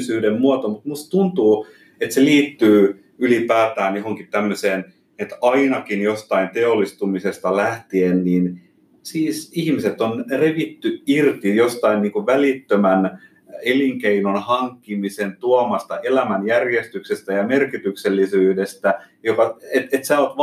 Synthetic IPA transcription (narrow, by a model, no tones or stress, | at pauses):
syːdemmuɑt̪omut̪must̪t̪unt̪uː | et̪seliːt̪ːyː | ylipæːt̪æːnjohoŋkit̪t̪æmːøseːn | et̪ɑinɑkinjost̪ɑint̪eolːˑist̪umisest̪ɑlæht̪ienniːn | siːsihmiset̪onreʋit̪ːyirt̪ijost̪ɑinniːŋkuʋʋælit̪ːømæn | eliŋkeinonhɑŋkːimisent̪uɑmɑst̪ɑʔelæmænjærjest̪yksest̪æjɑmerkit̪ykselːisyːdest̪æjokɑet̪et̪sæːot̪